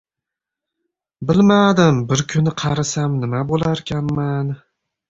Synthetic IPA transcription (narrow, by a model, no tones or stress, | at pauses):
bɪlmad̪ɪmbɪɾkʲʰʊnɪqʰɑɾɪsamnɪmabolaɾkʲʰanman